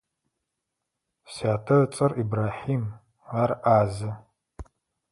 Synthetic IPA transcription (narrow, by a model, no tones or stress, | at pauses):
saːtʰɐt͡sʼɐribraːħiːm | aːrʔaːzɐ